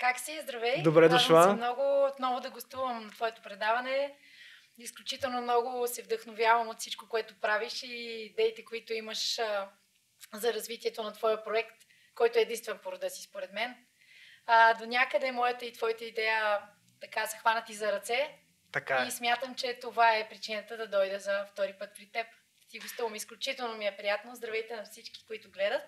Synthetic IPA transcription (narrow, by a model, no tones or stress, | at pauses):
kaksizd̪ɾɐvɛjd̪obɾɛd̪ʊʃlˠaɛmnɔɡʊot̪nɔvʊd̪ɐɡost̪uvəmnɐt̪vɔɛt̪opɾɛd̪avɐnɛ | isklʲut͡ʃit̪ɛlˠnomnɔɡʊsɛvd̪əxnovʲjavəmot̪fsit͡ʃkokoɛt̪ʊpɾaviʃiːd̪ɛit̪ɛkoit̪ʊiməʃ | zɐɾɐzvit̪iɛt̪onɐt̪vɔjəpɾoɛkt̪ | kɔjt̪ʊɛːd̪inst̪vɛnpoɾʊd̪əsi̥spoɾɛd̪mɛn | d̪onʲakəd̪ɛmɔjət̪əit̪vɔjət̪əid̪ɛjə | t̪ɐkasɐxvanət̪izɐɾɐt̪sɛ | t̪ɐkaismʲjat̪əmt͡ʃɛt̪ovaɛpɾit͡ʃinət̪əd̪ɐd̪ɔjd̪ɛzɐft̪ɔɾipɤt̪̚pɾit̪ːɛp | t̪iɡost̪ivˠəmisklʲut͡ʃit̪ɛlˠnomiɛpɾijat̪nozd̪ɾɐvɛjt̪ɛnɐfsit͡ʃki̥koit̪ʊɡlɛd̪ət̪̚